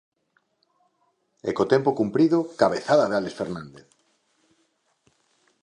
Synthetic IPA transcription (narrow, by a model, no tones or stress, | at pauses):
ḛkot̪empokumpɾiðokaβeθaðaðealesfeɾnãnd̪eθ